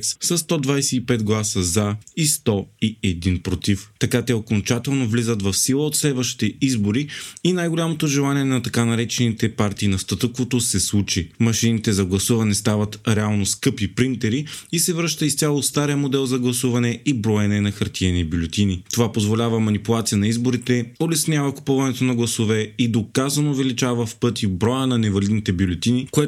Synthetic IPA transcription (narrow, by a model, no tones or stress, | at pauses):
ssɐst̪ɔd̪vajsɛipɛt̪ɡlˠasəzaist̪ɔiɛd̪inpɾot̪ift̪ɐkat̪ɛokont͡ʃat̪ɛlˠnovlizət̪vɐfsilˠəot̪slɛd̪vəʃt̪i̥t̪ɛizboɾiinajɡolʲamot̪oʒɛlˠaniɛnɐt̪ɐkanɐɾɛt͡ʃɛnit̪ɛpaɾt̪iːnɐst̪ɐt̪ɤkovot̪osɛslˠut͡ʃimɐʃinit̪ɛzɐɡlˠɐsuvɐnɛst̪avɐt̪ɾɛalˠnoskɤpipɾint̪ɛɾiisɛvɾɤʃt̪əist̪ʲjalˠost̪aɾijəmod̪ɛlˠzɐɡlˠɐsuvɐnɛibɾoɛnɛnɐxɐɾt̪iɛnibʲjʊlʲɛt̪ʲinit̪ovapozvolʲavəmɐnipulˠat̪sijənɐizboɾit̪ɛolɛsnʲjavɐku̥pɔvɐnɛt̪onɐɡlˠɐsovɛid̪okazɐnoːvɛlit͡ʃavəfpɤt̪ibɾɔjənɐnɛvɐlid̪nit̪ɛbjulʲɛt̪inikoɛ